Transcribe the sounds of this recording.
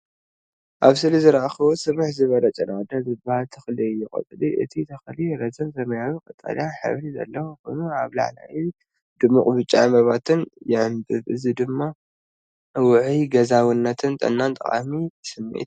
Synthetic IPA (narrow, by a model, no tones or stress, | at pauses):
ʔaβsɨlizɨɾʔaxɐβosɨmɨħzɨβɐlɐt͡ʃʼɐnawd̪azɨbahalt̪ʰɐxlijːɪkʼɐ̰t̪ʼɨliʔɨ̰t̪ʰit̪ʰɐxliɾɐzʰɐmsɐmɐjawikʼɐt̪ʼːa̰ljaħɨ̰βlizɐ̰lːɐwokonuaβla̰ʕla̰ji | d̪̥ɨmːuqʼbɨt͡ʃʼːamɐβat̪ʰɨnjɪʕɨmbɨβʔɨzid̪ɨmːa | wʊʕiɡɐzawinːɐt̪ʰɨnt̪ʼɐ̰nːant̪ʼɐχʼa̰misɨmːḭt̪